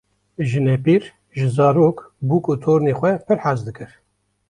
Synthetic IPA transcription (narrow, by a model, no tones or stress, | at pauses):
ʒɨnɛpiːɾ | ʒɨzɑːɾoːkbuːkʼut̪ʰoːɾneːxʷɛpʰɨɾħazd̪ɨkɨɾ